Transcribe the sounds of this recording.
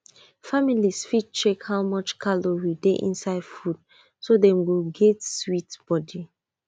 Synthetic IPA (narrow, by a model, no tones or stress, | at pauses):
familisfid̚t͡ʃekhawmɔt͡ʃkʰalowideʔḭ̃nsaɪd̥fud̥ | sodɛ̃mwilɡɛtswitb̥ɔdi